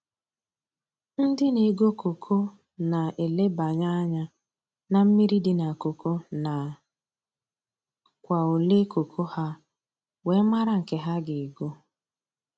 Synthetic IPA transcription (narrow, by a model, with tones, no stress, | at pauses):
n̩˦dɪ˦ne˨ɡo˦ko˨kʰo˦ | na˨ʔe˨le˦ba˨ɲa˦ɲa˦ | na˨m̩˦mi˦ɾi˦dɪ˨na˨ko˨ko˦na˨ | kʷa˨o˨le˦kʰo˨kʰo˦ha˦ | we˨˦ma˦ɾa˨ŋ̩˨ke˨ɦa˦ɡɪ˨ɡo˦